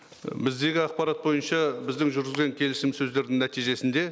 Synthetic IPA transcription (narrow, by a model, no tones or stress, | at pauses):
bɪzd̪e̞ɡʲɪɑq̚pɑɾɑt̪̚bo̞jənʃɑbɪzd̪ɪŋʒʏɾɡʲɪzɡʲe̞ŋkʲʰe̞lɪsɪmsɵzd̪e̞ɾd̪ɪŋnæt̪ijʒe̞sɪnd̪e̞